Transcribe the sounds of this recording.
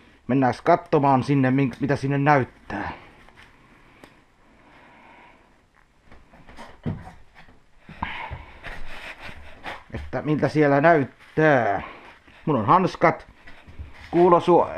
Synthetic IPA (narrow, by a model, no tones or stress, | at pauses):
menːæskɑt̪ːomɑːnsinːemmiŋmit̪æsinːennæyt̪ːæː | ʔet̪ːæmilt̪æsielænæyt̪ːæː | munːonhɑnskɑt̪ | kuːlosuo